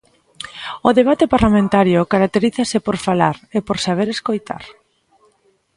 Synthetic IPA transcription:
ʊðeβ̞at̪epaɾlamẽnt̪aɾjʊkaɾak̚t̪eɾiθasepoɾfalaɾepoɾsaβ̞eɾeskojt̪a̰ɾ

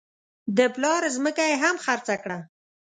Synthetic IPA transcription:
d̪əplɑɾzməkajeɦamxaɾt͡sakɽa

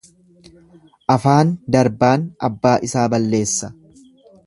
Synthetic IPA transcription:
ʔɐfaːnd̪ɐɾbaːnɐbːaːʔɪsaːbɐlːe̞ːsːɐ̥

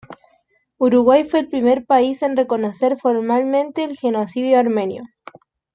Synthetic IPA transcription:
uɾuɣwajfwe̞ːlpɾime̞ɾpaise̞nrekonose̞ɾfoɾmalmẽ̞nt̪eːlxenosiðjoaɾmẽ̞njo

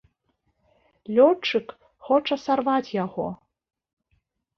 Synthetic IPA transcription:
lʲɔt͡ʂɨk | xɔt͡ʂɐsarvat͡sʲjaɣɔ

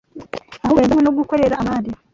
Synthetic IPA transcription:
aɦowezawenoɡukoɾeɾamaːdi

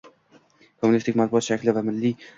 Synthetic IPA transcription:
kʰomːʊnist̪ʰɪkʲmat̪buɒt̪ʃakʲlɪvamɪlːi

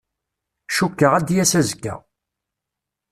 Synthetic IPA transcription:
ʃukːəʁæd̪jæsæzəkːæ̰

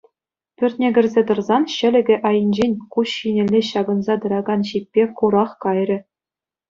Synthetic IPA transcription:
pʲyrʲt̪ʲnʲeɡʲɘ̆rʲzʲet̪ɤ̆rzɑnɕɘ̆lʲɘ̆ɡʲɘ̆ʔɑjɤ̆nʲd͡ʑenʲkuɕːinʲɘ̆lʲːeɕɑɡɤ̆nzɑt̪ɤ̆ɾɑɡɑnɕip̚ʲːekuɾɑχkɑjrʲɘ̆

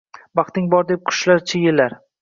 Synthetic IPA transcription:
bɑχt̪ɪŋbɒɾd̪ep̚qʰʊ̥ʃlaɾt͡ʃʰɪjɪlːaɾ

